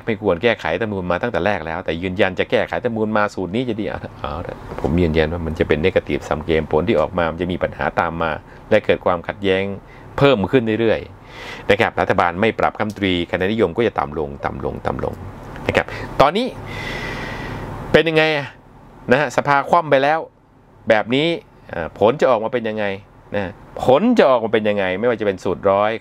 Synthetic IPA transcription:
ma˥˩jkʰu˧ənkɛː˥˩kʰa̰˩˦jt̪a˧muː˧nmaː˧t̪a˥˩t̪ɛː˨˩ɾɛː˥˩k̚lɛː˦˥wt̪ɛː˨˩jɯː˧nja˧nt͡ɕa˨˩kɛː˥˩kʰa̰˨˩˦jt̪a˧mnuː˧nmaː˧suː˨˩t̪̚niː˦˥t͡ɕa˨˩diː˧ʔa̰˧˩˧ʔaː˧˩wtpʰo˩˦mjɯː˧nja˧nwaː˥˩ma˧nt͡ɕa˨˩pe˧nːe˦˥ka˧t̪ḭ˨˩p̚sa̰˨˩mkeː˧mpʰo˨˩˦nt̪ʰiː˥˩ʔɔ̰ː˨˩k̚maː˧ma˧nt͡ɕa˨˩miː˧pa˧nha̰ː˩˦t̪aː˧mːaː˧ | lɛ˦˥kɤː˨˩t̪̚kʰwaː˧mkʰa˨˩t̪̚jɛː˦˥ŋ | pʰɤː˥˩mkʰɯ˥˩nɾa˥˩˨ɾɯ˥˩əj | na˦˥kʰa˦˥p̚ɾa˦˥t̪ʰːa˧baː˧nma˥˩jpɾa˨˩p̚kʰa˧˥˩mt̪ɾiː˧kʰa˧na˦˥ni˦˥jo˧mkɔː˥˩t͡ɕa˨˩t̪a̰˨˩mlo˧ŋt̪a̰˨˩mlo̰˧ŋt̪a̰˨˩mlo̰˧ŋna˦˥kʰa˦˥p̚t̪ɔː˧nːiː˦˥ | pe˧nja˧ŋːa˧jʔa˨˩ | na˦˥ha˦˥sa˧pʰaː˧kʰwa˥˩˨mpa˧jlɛː˦˥w | bɛː˨˩p̚niː˦˥ | ʔaː˨˩pʰo˨˦nt͡ɕa˨˩ʔɔː˨˩k̚maː˧pe˧nja˧ŋːa˧j | na˦˥a˥pʰo˨˦nt͡ɕa˨˩ʔɔː˨˩k̚maː˧pe˧nja˧ŋːa˧jma˥˩jwaː˥˩t͡ɕa˨˩pe˧nsuː˨˩t̪̚ɾɔː˦˥j

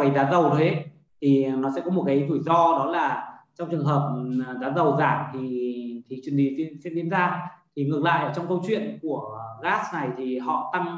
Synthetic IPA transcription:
ə˨˦jzaː˨˦nzə˨˩wɗə˨˦jhe˦˥ | t̪ʰi˨˩nɔ˨˦sɛ̰˧˥kɔ˨˦mo˨˩t̚kaː˨˦jzu˧˩jzɔ˧ɗɔ˨˦laː˨˩t͡ɕɔ˧wŋ͡mt͡ɕɨ˨˩əŋɦəː˨˩p̚zaː˨˦nzə˨˩wzaː˧˩mt̪ʰi˨˩t̪ʰi˨˩t͡ɕwi˨˩ənhi˨˩ni˧nsɛ˧˥nvi˧˦ənzaː˧t̪ʰi˨˩ŋɨ˨˩kla̰ː˧˨jʔəː˧˩t͡ɕɔ˧wŋ͡mkə˧wt͡ɕwḭ˧˨ənku˧˩əɣaː˦˥sna˨˩jt̪ʰi˨˩ɦɔ̰˧˨t̪a˧ŋ

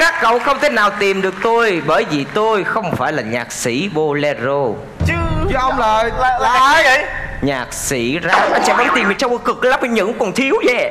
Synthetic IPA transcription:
kaː˦˥kːə̰˧˨wxə˧wŋ͡mt̪ʰe˨˦naː˨˩wt̪i˨˩mɗɨ˨˩ək̚t̪o˧jɓəː˧˩jvi˨˩t̪o˧jxə˧wŋ͡mfaː˧˩jlaː˨˩ɲaː˨˩k̚sḭ˧˥ɓo˧lɛ˧zo˧ | t͡ɕɨ˨˦ɨ˨˦ʔə˧wŋ͡mləː˨˩jlla˨˩˨ə˧˨jɲaː˨˩k̚sḭ˧˩˦zaː˨˦˩ʔa˧j̟sɛ̰˧˥mɔ˨˦nt̪i˨˩mːi˨˩nsa˧wjkɨ˨˩k̚la˦˥p̚kə˨˧˦ɲɨ̰˧˥ŋkɔ˨˩nt̪ʰi˨˦əwzɛ˨˧˩

